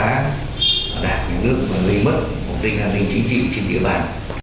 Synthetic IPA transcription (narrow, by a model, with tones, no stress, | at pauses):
aː˨˦˨ | ɗaː˨˩t̚ɲɨ̰˧˥ŋnɨ˦˥ək̚məː˨˩li˧mə˦˥t̚ | ʔo˨˩ŋ͡mɗḭ˧ŋ̟ʔaː˧nːï˧ŋ̟t͡ɕï˨˦ŋ̟t͡ɕḭ˧˨t͡ɕe˧nɗḭ˧˨əɓaː˧˩n